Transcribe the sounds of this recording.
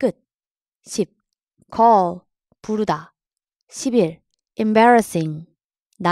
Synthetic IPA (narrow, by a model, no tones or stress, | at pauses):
k͈ɯt̚ | ɕʰip̚ | kʰʌ | puɾuda | ɕʰibiɾ | embaɾasiŋ | na